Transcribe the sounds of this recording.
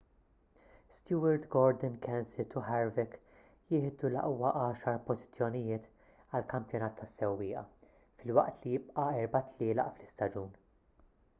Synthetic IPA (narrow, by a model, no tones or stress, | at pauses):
st̪juːɐɾd̪ɡɔɾd̪ɛnkʰɛnsɪt̪uħɛɾvɛk | jɪːħd̪ulɐ̰ʔwɐʔɐːʃɐɾpɔzɪt͡sːjɔnɪjɪːt̪ | ɐlkɐmpjɔnɐːt̪ʰːɐsːɛwːɪːʔɐ̰ | fɪlwɐ̰ʔt̪lijɪp̚ʼʔɐɛɾbɐt̪ʰlɪːlɐ̰ʔflɪst̪ɐd͡ʒuːn